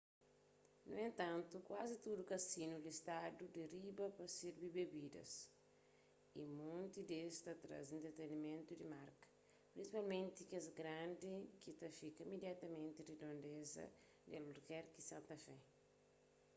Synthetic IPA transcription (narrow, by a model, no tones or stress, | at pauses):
nuẽnt̪ãnt̪ukwazit̪udukɐsinulist̪ad̪ud̪eribɐpɐsiɾbibebid̪ɐ̰s | imõnt̪id̪est̪ɐt̪ɾa̰zẽnt̪ɾet̪enimẽnt̪udimaɾkɐ̥ | pɾinsipalmẽnt̪ikezɡɾãnd̪ikit̪ɐfikɐimed̪jat̪ɐmẽnt̪iɾed̪õnd̪ezɐ̰ | d̪aluɾkɛɾkisãnt̪ɐfɛ